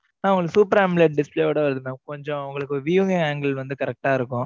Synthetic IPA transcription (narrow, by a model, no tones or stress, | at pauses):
naːʊŋɡɐɭɯkːsuːpɐɾeːmbɭleʈ̚ɖɪspleːoːɽɐʋɐɾðɯmɐkɔɲd͡ʒɔ̃ʋʊŋɡɐɭɯkːoɾʋijuŋɪŋaːŋɡɐlʋɐnd̪ɯkɐɾɛk̚ʈaːɪɾɯkːʊ̃